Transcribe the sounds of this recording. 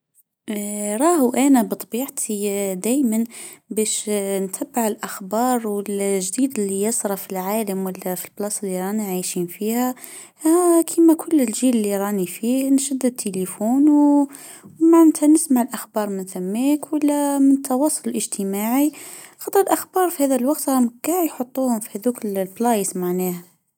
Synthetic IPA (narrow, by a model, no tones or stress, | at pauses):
ɾˤɑhuʔænæbət̪ˤɑbiːʕt̪ʰid̪æjmænbæʃnt̪ʰæbːaʕəlʔaxbɑːɾˤwɪlʒd̪iːd̪əlːijɑsˤɾˤɑfilʕaːləmwəlːæfilblɑsˤəlːiɾˤɑniʕajʃinfihæ | kʰimækʰʊlːəlʒiːllːiɾˤɑnifihnʃæd̪ːəd̪̚t̪ʰːelifuːn | maʕnt̪ʰænəsmaʕəlʔaxbɑːɾˤmɪnθæmːikwəlːæmɪnt̪ʰːɑwɑːsˤʊləlʔəʒt̪ʰəmaʕixɑt̪ˤəɾəlʔaxbɑːɾˤfihæðælwɑɡt̪ˤɾɑmɡaʕjħot̪ˤːuhʊmfi̥hæd̪uklblɑjsmaʕnæhæ